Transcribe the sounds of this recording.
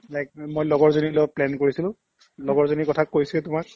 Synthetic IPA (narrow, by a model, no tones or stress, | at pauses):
lajk̚mojlɔɡɔɹzonilɔplɛnkoɹisilʊ̃ | lɔɡɔɹzonikɔtʰakːojsilɛtʊmak̚